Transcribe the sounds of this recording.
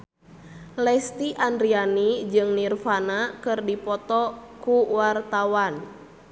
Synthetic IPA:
lɛst̪iʔandɾianid͡ʒɨŋnirfanakɨrdipɔt̪ɔkuwart̪awan

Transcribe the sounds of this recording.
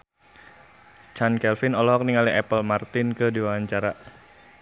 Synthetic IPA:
t͡ʃankɛlfɪnɔlɔɦɔk̚niŋaliɛpəlmart̪ɪnkədiwaaɲt͡ʃaɾa

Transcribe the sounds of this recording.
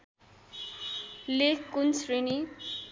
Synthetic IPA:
lekːunsrini

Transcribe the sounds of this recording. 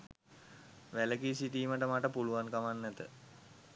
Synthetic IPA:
ʋæləkisit̪iːməʈəmaʈəpuluankamanːæt̪ə̰

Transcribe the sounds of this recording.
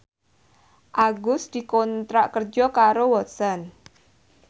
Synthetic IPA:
ʔaɡʊsd̪̥i̤kɔnt̪ɾaʔkərd͡ʒɔkaɾowɔt̪sɔn

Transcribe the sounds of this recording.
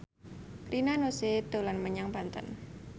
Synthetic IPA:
pɾʔinanoset̪ulanməɲaŋpant̪ə̰n

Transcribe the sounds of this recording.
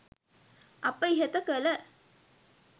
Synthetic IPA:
ʔɐpːəiɦət̪əkələ

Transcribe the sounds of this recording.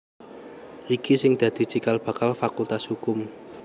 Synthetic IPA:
ʔikisɪŋd̪̥ä̤d̪̥i̤t͡ʃikalb̥a̤kalfakult̪ashukʊm

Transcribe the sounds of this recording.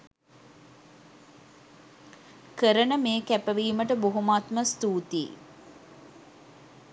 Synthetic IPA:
kəɾənəmeːkæpəʋiːməʈəboɦumaːt̪məst̪uːt̪ḭː

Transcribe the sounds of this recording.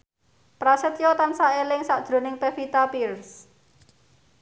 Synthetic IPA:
pɾasət̪jot̪ansaelɪŋsaʔd̥ʒ̥ɾo̤nɪŋpefit̪apirs

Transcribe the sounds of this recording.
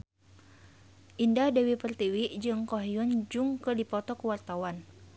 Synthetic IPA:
ʔindadewipərt̪iwiʔd͡ʒɨŋkoɦijɔnd͡ʒuŋkədipɔt̪ɔkəwart̪awan

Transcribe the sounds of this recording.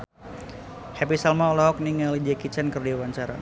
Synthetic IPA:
hɛpisalmaɔlɔhɔk̚niŋalid͡ʒɛkit͡ʃɛnkərdiwaɲt͡ʃaɾa̰

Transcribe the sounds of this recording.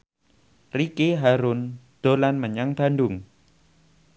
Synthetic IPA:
rikeɦaɾʊnd̪̥o̤lanməɲaŋb̥a̤nɖʊŋ

